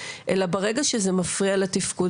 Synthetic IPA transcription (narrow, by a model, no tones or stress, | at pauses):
ʔelabaʁe̞ɡaʃezemafʁialetifku